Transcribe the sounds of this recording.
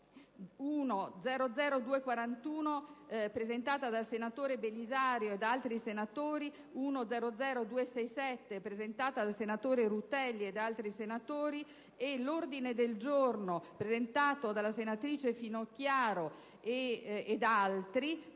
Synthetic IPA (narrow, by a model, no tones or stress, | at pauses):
uːnod̪zɛːɾod̪zɛːɾod̪uːekwaɾant̪uːnopɾezent̪aːt̪ad̪alsenat̪oːɾebelizaːɾjoed̪aalt̪ɾisenat̪oːɾi | uːnod̪zɛːɾod̪zɛːɾod̪uːesɛjsɛt̪ːepɾezent̪aːt̪ad̪alsenat̪oːɾeɾut̪ɛlːied̪alt̪ɾisenat̪oːɾi | elord̪ined̪eld͡ʒornopɾezent̪aːt̪od̪alasenat̪ɾiːt͡ʃefinokːjaːɾo | eːd̪alt̪ɾi